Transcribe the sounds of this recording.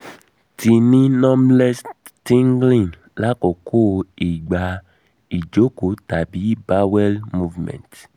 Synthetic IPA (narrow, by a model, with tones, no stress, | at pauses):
ti˨nĩ˦nɔ˦mlɛ˦stĩ˦ŋɡlĩ˦˨n | la˦kɔ˨kʰo˦˨i˨ɡ͡ba˨ | i˨d͡ʒo˦ko˨˦ta˨bi˨˦ba˦wɛ˦lmu˦vmɛ̰̃˨nt